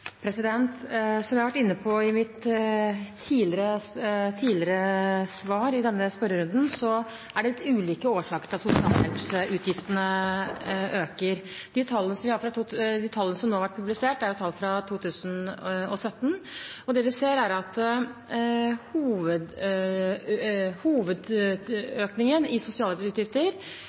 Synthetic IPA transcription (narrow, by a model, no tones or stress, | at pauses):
pʰɾɛsɪd̪ɛnt̪sɔmjæhɑʋæʈːɪnːəpʰɔɪmɪt̪ʰː | iːlɪɾət̪ʰiːlɪɾəsʋɑːɾɪd̪ɛnːəspœɾəɾʉnd̪n̩sɔ | æɖɛlɪt̪ːʉːliːkəoːʂɑːkəɾt̪ɪɑsʊsɪɑ̰ːlsɛ̰lpsʔʉːt̪ʰjɪft̪ənə | ʔøːkəɾ | d̪̥it̪ʰɑlːənəsɔmʋɪhɑɾfɾɑt̪ʰuːd̪iːt̪ʰɑlːənəsɔmnoːhɑʋæʈ̚pʰʉblɪseːʈːæɾjʊt̪ʰɑlːfɾɑt̪ʰuːt̪ʰʉːsənɔsœt̪ːnɔd̪ɛʋɪseːɾæɾɑt̪ | huːʋəd̪ | huːʋəd̪ | øːknɪŋənɪsʊsɪɑːlɛpsʉːt̪jɪft̪əɾ